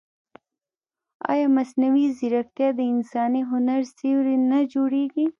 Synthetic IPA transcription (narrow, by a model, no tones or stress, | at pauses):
a̰ːjaːmɐsnɐwiziɾɐk̚t̪ijad̪əinsaːniɦʊnɐɾsiwɾinɐd͡ʒuɽeːɡi